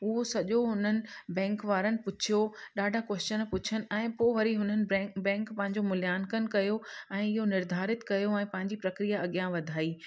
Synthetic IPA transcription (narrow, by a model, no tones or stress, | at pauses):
ʊɦosɐʄoɦʊn̤ənɪ̆bɛ̃ːŋkʋaːɾənɪ̆pʊt͡ɕʰijoɗaːɖʱakwɛst͡ɕənpʊt͡ɕʰənɪ̆ɛ̃ːpoːʋɐɾiɦʊn̤ənɪ̆bɛ̃ːŋkpɐ̃ɦɪ̃ɲ̆d͡ʑomʊljaːnkənɪ̆kɐjoɛ̃ːɪɦonɪɾd̪ʱaːɾɪt̪kɐjoɛ̃ːpɐ̃ɦɪ̃ɲ̆d͡ʑipɾɐkɾijaɐɠijãʋɐd̪ʱaːiː